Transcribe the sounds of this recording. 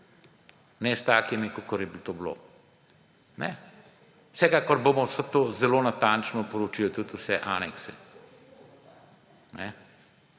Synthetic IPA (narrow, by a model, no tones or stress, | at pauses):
nɛst̪aːkimikokɔɾjɛbt̪oːblo̰ | nɛ | wsɛkaːkɔɾbomɔsət̪oːzɛloːnat̪ant͡ʃnɔpɔɾot͡ʃilɔt̪ut̪usɛʔanɛksɛ | nɛ